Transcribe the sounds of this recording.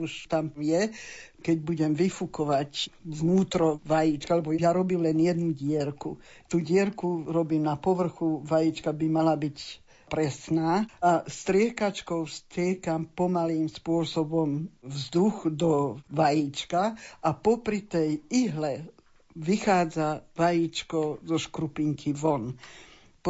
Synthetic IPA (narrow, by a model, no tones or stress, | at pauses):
uʃt̪amjɛkɛɟbuɟɛmʋifukɔʋacʋnuːt̪ɾɔʋajit͡ʃkaalɛbɔjaɾɔbiːmlɛnjɛd̪nuɟɪɛɾku | t̪uːɟɪɛɾkuɾɔbiːmnapɔʋr̩xuʋajiːt͡ʃkabimalabic | pɾɛsnaːast̪ɾɪɛkat͡ʃkɔʊst̪ɾɪɛkampɔmaliːmspʊɔsɔbɔmvzd̪uxd̪ɔʋajiːt͡ʃkaʔapɔpɾit̪ɛjiɦlɛ | ʋixaːd͡zaʋajiːt͡ʃkɔzɔʃkɾupiŋkʰiʋɔn